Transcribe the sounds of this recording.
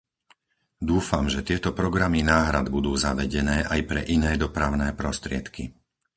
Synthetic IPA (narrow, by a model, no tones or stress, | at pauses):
d̪uːfamʒɛt̪ɪɛt̪ɔpɾɔɡɾaminaːɦɾad̪bud̪uːzaʋɛɟɛnɛːʔajpɾɛʔinɛːd̪ɔpɾaʊnɛːpɾɔst̪ɾɪɛt̪ki